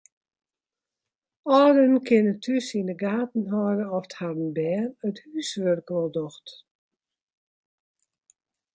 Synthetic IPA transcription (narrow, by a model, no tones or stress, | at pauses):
ɔːdənkʰɪnətʰysinəɡaːtn̩ɦɔːrəɔfthadən̩bɛːnəthysʋørkʋɔlˠdɔxt